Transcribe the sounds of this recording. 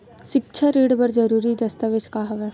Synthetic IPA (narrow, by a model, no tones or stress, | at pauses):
ʃɪkt͡ʃʰəɾiːɽbɐɾd͡ʒɐɾuːɾid̪ɐst̪əʋet͡ʃkaɦɐʋɛ